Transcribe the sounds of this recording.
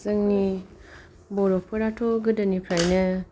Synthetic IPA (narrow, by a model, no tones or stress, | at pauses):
zɯŋni | bɔɾɔk̚pʰɯɾatʰɔɡɯdɯnipʰɾajnɯ